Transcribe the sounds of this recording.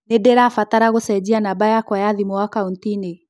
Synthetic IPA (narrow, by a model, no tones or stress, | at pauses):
nedeɾafataɾaɣosɛd͡ʑianabajakwajaðimɔwakauntine